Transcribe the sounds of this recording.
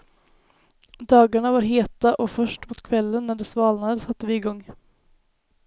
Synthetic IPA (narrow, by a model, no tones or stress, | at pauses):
d̪ɑːɡaɳavaɾɦeːt̪aʔɔfœʂʈmʊt̪kʰvɛlːənːæɖɛsvɑːlnad̪əsat̪ːəvɪɪɡɔŋː